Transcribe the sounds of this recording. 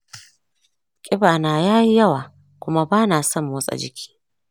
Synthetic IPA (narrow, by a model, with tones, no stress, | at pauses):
kʲʼɪ˦baː˨naː˨jaː˦ji˦jɐ˦waː˨ | kʷʊ˦ma˦baː˦naː˨sɔ˦˨mː˦ʊ˦sʼa̰˨d͡ʒɪ˦kʲʰi̥ː˦